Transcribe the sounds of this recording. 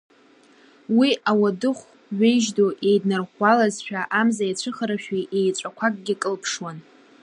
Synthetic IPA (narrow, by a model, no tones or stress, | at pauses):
wiawadɨχʷ | ɥejʒdoʔe̞jdnɨrχʷalazʃᶣaʔamzajat͡ɕʷʰɨχəɾaʃᶣiʔejt͡ʃʷʼakʷʰakʼɡʲɪkʼɨlpʰʂwan